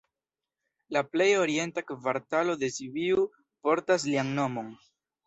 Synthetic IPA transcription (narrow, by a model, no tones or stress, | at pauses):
laple̞jo̞ɾie̞ntakvaɾtalo̞de̞siviuu | po̞ɾtas̬liaŋno̞mo̞n